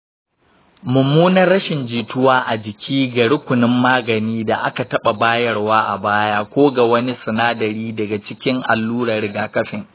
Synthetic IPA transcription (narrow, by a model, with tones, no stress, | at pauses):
mʊ˨muː˦nɐ˦rːɐ˦ʃɪ˨nd͡ʒiː˨tʊ˦waː˦ʔa˨d͡ʒɪ˨kʲʰiː˦ɡa˨ɽʊ˦kʷʊ˨nɪ˦mːaː˦ɡɐ˨niː˦da˨ʔa˦ka˨tɐ˦ɓa˨baː˦jɐ˦rwaː˦ʔa̰˨baː˦jaː˦kʷoː˦ɡa˨wɐ˦ni˦sɐ˨naː˦dɐ˨ɾiː˦dɐ˨ɡa˨t͡ʃɪ˦kʲɪ˦ŋʔa̰˨lːuː˦ɽɐ˨rɽɪ˨ɡaː˨kɐ˦ɸɪ˨ŋ